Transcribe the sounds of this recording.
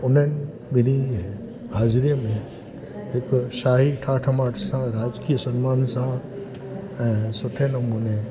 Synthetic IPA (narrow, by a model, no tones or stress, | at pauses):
ʊn̤ənɪ | bɪni | haːzɾijəmẽ | ɦɪkʃaːɦiʈʰaːʈʰəmaːʈʰsãɾaːd͡ʒkijəsɐnmaːnsã | ɛ̃ːsʊʈʰenɐmuːne